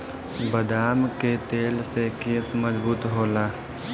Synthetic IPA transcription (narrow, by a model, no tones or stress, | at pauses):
bəd̪aːmket̪eːlsekeːsməzbuːt̪ɦoːlaː